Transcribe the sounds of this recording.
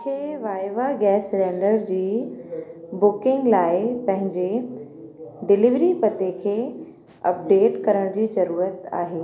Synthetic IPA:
kʰeʋaːɪʋaɡɛːsɾɛ̃ːɳɖəɾd͡ʑiː | bʊkɪ̃ŋɡlaːɪpɐ̃ɦɪ̃ɲd͡ʑe | ɖɪlɪʋɾipɐt̪ekʰeː | ɐ̰p̚ɖeːʈkɐɾəɽ̃d͡ʑiːzɐɾuːɾət̪a̰ːɦeː

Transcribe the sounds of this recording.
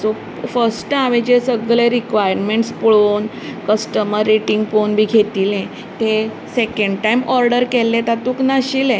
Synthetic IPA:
so | fəɾsʈəaʋẽd͡ʑesəɡɭẽɾikʋajəɾmeɳʈspəɭoːn | kəsʈəməɾːeʈiŋɡponbʱiːɡʱet̪iːlɛ̃ | t̪e | sekeɳɖʈajmɔɾɖəɾkelẽt̪at̪uːknaɕilẽ

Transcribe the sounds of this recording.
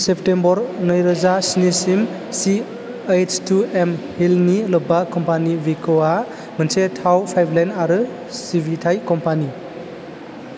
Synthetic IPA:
sep̚tembɔɾnɯjɾɯzasinisim | si | ejt͡ʃtuemhilnilɔbakɔmpanibikʰoa | mɯnsetʰawpʰajblajnaɾɯ | sibʱitʰajkɔmpani

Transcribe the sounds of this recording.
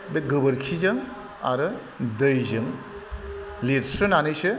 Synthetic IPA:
beɡɯbɯɾkʰizɯŋ | a̰ɾɯ | dɯjzɯŋ | leɾsɯnanɯjsɯ

